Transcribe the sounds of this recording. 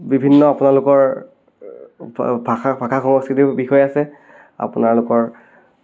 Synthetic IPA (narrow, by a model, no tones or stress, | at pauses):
bibʱinːɔapʊnalʊkɔɹ | bʱaxabʱakʰaxɔŋɔskitibixɔjɛasɛ | a̰pʊnaɹlʊkɔɹ